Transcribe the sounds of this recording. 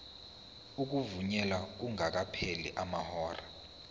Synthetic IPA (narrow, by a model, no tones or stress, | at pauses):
uk̬uvuɲɛlak̬uŋak̬apʰelḭʔamahɔːra